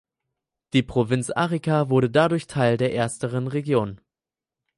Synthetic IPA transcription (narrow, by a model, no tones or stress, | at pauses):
d̥iːpʁ̥ovɪnt͡sʔa̰ːʁikavʊɐɾədadʊɐçtʰaɪldeːɐʔeːɐstəʁ̞ənʁeɡjoːn